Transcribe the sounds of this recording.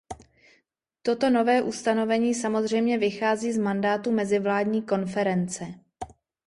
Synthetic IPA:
t̪o̞t̪o̞no̞vɛːʔust̪ano̞vɛɲiːsamo̞zr̝ɛjmɲɛvɪxaːziːzmandaːt̪umɛzɪvlaːdɲiːko̞nfɛɾɛnt͡sɛ

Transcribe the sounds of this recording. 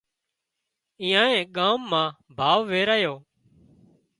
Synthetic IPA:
ɪ̃ːãːẽːɠaːmːãː | bʱaːʋʋeːɾaːjoː

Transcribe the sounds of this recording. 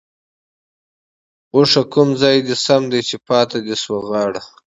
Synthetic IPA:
uʂakʊmzɑjd̪esamd̪ejt͡ʃepɑːt̪ad̪eswaɣɑːɽa

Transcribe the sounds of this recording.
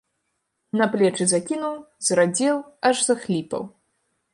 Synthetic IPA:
nɐplʲɛt͡ʂɨzakʲinuw | zrad͡zʲɛwɐʐzɐxlʲipɐ̰w

